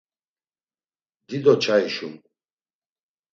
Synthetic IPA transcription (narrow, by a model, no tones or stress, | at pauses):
d̪id̪ɔt͡ʃʰaiʃun